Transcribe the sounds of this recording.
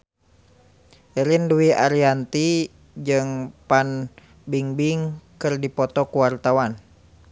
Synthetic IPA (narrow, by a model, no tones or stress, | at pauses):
ʔɛɾinduwiʔaɾiant̪i | d͡ʒɨŋpan | biŋbiŋkɨrdipɔt̪ɔkuwart̪awan